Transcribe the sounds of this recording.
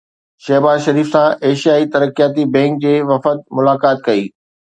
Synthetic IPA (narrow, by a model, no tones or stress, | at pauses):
ʃɛːɦbaːzʃɐɾiːfsãʔeːʃijaːit̪ɐɾəkijaːt̪ibɛ̃ːŋk̚d͡ʑeːʋɐfət̪̚mʊlaːkaːt̪̚kɐiː